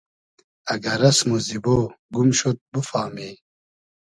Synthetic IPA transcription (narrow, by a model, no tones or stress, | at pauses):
ɐɡɐɾɐsmuziboːɡumɕot̪̚bufaːmiː